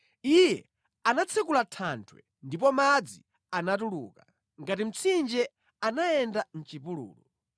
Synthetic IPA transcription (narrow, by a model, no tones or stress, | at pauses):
ijɛ | anat͡sʰɛkulatʰantʰwɛ̰ | ndip̬ɔmad͡zi | anatuluːka | ŋɡatim̩t͡sʰind͡ʒɛ | anajɛndan̩t͡ʃipulṵːlṵ